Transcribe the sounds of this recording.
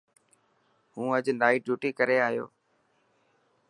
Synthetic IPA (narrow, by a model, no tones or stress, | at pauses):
ɦũːəd͡ʒnaːiːɖuːʈiːkəɾeːaːjo̰ː